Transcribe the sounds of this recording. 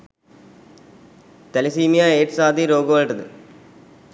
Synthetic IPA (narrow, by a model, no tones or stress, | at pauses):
t̪ɐlɐsiːmijaeːʈsaːd̪iɾoːɡʋaːlʈːɐd̪ɨ